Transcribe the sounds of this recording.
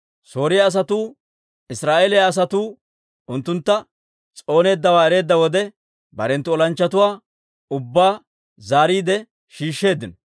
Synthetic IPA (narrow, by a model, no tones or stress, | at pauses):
so̞ːɾɪjaːs̬ɐt̪uː | ɪsɾaːʔeːlɪjaːs̬ɐt̪uː | ʊnt̪ːʊnt̪ːɐ | t͡sʼo̞ːne̞ːd̪ːɐwaːɛɾe̞ːd̪ːɐwɔd̪ɛ | bɐ̰ɾɛnt̪ːʊɔlɐnt͡ʃːɐt̪ʊwaː | ʊbːaː | zaːɾiːd̪ɛ | ʃiːʃːe̞ːd̪ɪnɐ